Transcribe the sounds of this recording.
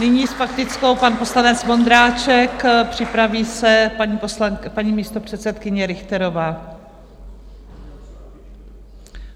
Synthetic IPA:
nɪɲiːsfakt̪ɪt͡sko̞wpanpo̞slanɛt͡smo̞nd̪ɾaːt͡ʃɛkpr̥ɪpɾaviːsɛaɲiːposlapaɲiːmiːst̪o̞pr̝̥ɛt̪sɛt̪kɪɲɛɾɪxt̪ɛɾo̞vaː

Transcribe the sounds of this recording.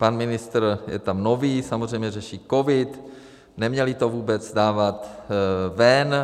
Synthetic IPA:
panmɪnɪst̪r̩jɛ̰t̪amno̞viːsamozr̝ɛjmɲɛrɛʃiːko̞vɪt̪ | nɛmɲɛlɪt̪o̞vuːbɛt͡sdaːvat̪ | vɛn

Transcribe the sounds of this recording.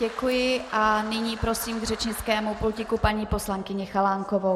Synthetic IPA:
ɛkujɪʔʔanɪɲiːpɾo̞siːmɡr̝ɛt͡ʃɲɪt͡skɛːmuplucɪkupaɲiːpo̞slaŋkɪɲɪxalaːŋkovow

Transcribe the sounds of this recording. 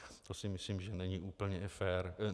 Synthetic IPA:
t̪osɪmɪslimʒɛnɛɲiʔuːpl̩ɲɛfɛːɾ

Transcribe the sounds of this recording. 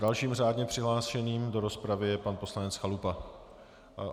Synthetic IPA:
dalʃiːmraːdɲɛpr̝̥ɪɦlaːʃɛniːmdo̞ɾo̞spɾavɪjɛpanpo̞slanɛt͡sxalupa

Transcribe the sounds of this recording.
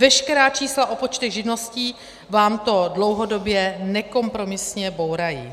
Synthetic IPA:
vɛʃkɛɾaːt͡ʃiːslaʔo̞pot͡ʃt̪ɛɣʒɪdno̞sciː | vaːmt̪o̞dlo̞wɦo̞do̞bjɛnɛko̞mpɾo̞mɪsɲɛbo̞wɾajḭ

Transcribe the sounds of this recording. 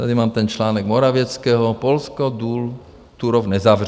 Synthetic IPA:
t̪ɛd̪imaːmt̪ɛnt͡ʃlaːnɔɡmɔɾaʋɪɛt͡skɛːɦɔpɔlskɔd̪uːl | t̪uɾɔʊnɛzaːʋr

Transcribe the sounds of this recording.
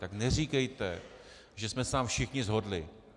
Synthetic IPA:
t̪aknɛriːkɛjt̪ɛ̰ | ʒɛsmɛsaːmfʃɪxɲɪzɦodlɪ

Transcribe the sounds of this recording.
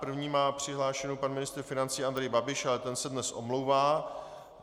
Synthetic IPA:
pr̩vɲiːmaːpr̝̥ɪɦlaːʃɛnowpanmɪnɪst̪ɾ̩fɪnant͡siːand̪ɾɛjbabɪʃalɛt̪ɛnsɛdnɛsʔo̰mlowvaː

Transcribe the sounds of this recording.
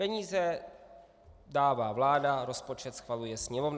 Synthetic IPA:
ɛɲiːzɛ | daːvaːvlaːdaɾo̞spo̞t͡ʃɛt̪sxvalujɛsɲɛmovn

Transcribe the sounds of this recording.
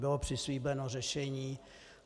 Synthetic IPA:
bɪlopr̥ɪsliːbɛnorɛʃɛɲiː

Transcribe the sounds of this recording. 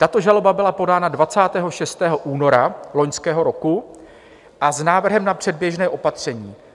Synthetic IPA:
t̪at̪o̞ʒalo̞babɪlapo̞daːnadvat͡saːt̪ɛːɦo̞ʃɛst̪ɛːɦo̞ʔuːno̞ɾalo̞ɲskɛːɦo̞ɾo̞ku | ʔaznaːvr̩ɦɛmnapr̝̥ɛdbjɛʒnɛːʔo̞pat̪r̝̥ɛɲiː

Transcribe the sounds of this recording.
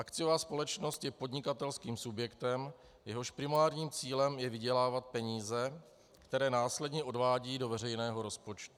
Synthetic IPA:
ʔakt͡sɪjovaːspo̞lɛt͡ʃno̞st̪jɛpo̞dɲɪkat̪ɛlskiːmsubjɛkt̪ɛm | jɛɦo̞ʃpɾɪmaːɾɲiːmt͡siːlɛmjɛvɪɟɛlaːvat̪̚pɛɲiːzɛ | kt̪ɛɾɛːnaːslɛdɲɛʔo̞dvaːɟiːdo̞vɛrɛjnɛːɦo̞ɾo̞spo̞t͡ʃt̪u̥

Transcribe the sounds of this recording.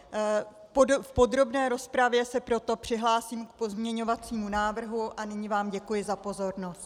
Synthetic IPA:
pofpo̞d̪ɾo̞bnɛːɾo̞spɾavjɛsɛpɾo̞t̪o̞pr̝̥ɪɦlaːsiːmkpo̞zmɲɛɲo̞vat͡siːmunaːvr̩ɦuʔanɪɲɪvaːmɟɛkujɪzapo̞zo̞ɾno̞st̪

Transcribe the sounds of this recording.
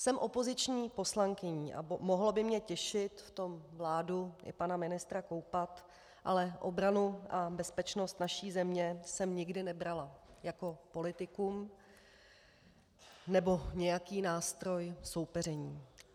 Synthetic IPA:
sɛmʔo̞po̞zɪt͡ʃɲiːpo̞slaŋkɪɲiːʔa̰mo̞ɦlobɪmɲɛcɛʃɪt̪ft̪o̞mvlaːduɪ̰panamɪnɪst̪ɾako̞wpat̪ | ʔa̰lɛʔo̞bɾanuʔabɛspɛt͡ʃno̞st̪naʃiːzɛmɲɛsɛmɲɪɡdɪnɛbɾalajako̞po̞lɪt̪ɪkum | nɛbo̞ɲɛjakiːnaːst̪ɾo̞jso̞wpɛr̝ɛɲiː

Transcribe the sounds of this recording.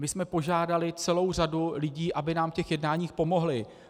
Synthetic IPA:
mɪsmɛpo̞ʒaːdalɪt͡sɛlo̞wr̝adulɪɟiːʔabɪnaːmfcɛxjɛdnaːɲiːxpo̞mo̞ɦlɪ

